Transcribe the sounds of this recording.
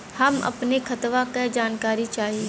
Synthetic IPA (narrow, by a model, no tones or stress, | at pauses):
hɐmɐ̰pnekʰɐt̪ʋakad͡ʒaːnkaːɾit͡ʃaːɦi